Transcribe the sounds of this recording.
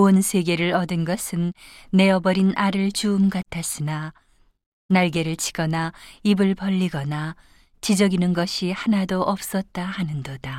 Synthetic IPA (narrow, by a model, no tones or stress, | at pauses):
onsʰe̞ɡe̞ɾɯɭʌdɯnɡʌsʰɯnːe̞ʌbʌɾinʔaɾɯɭt͡ɕuːmɡatʰas͈ʰina | naɭɡe̞ɾɯɭt͡ɕʰi̥ɡ̥ʌnaibɯɭpʌʎːiɡʌna | t͡ɕid͡ʑʌɡinɯnɡʌɕʰihanadoʔʌp̚s͈ʌt̚t͈ahanɯndoda